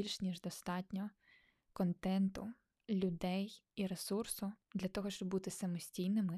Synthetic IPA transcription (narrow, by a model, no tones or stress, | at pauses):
ilʲʃnʲiʒd̪ɔst̪ɑtʲnʲɔ | kɔnt̪ɛnt̪ʊ | lʲʊd̪ɛjiɾesursʊd̪lʲɐt̪ɔɦɔʃt͡ʃɔbbut̪ɪsɐmɔsʲtʲijnɪmɪ